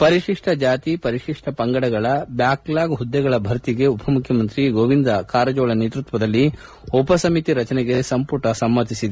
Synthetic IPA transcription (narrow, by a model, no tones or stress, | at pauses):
pɐɾiʂiʂʈʰɐd͡ʒaːt̪ipɐɾiʂiʂʈʰɐpɐŋɡɐɽɐɡɐɭɐbjaːklaːɡɦud̪ːɛɡɐɭɐbʱɐɾt̪iɡe̞upʰɐmukʰjɐmɐnt̪ɾiɡoːʋind̪ɐkaːɾɐd͡ʒɔːɭɐneːt̪ɾut̪ʋɐd̪ɐlːi | ɔpɐsɐmit̪iɾɐt͡ʃɐnɛɡe̞sɐmpuɾʈɐsɐmːɐt̪isid̪e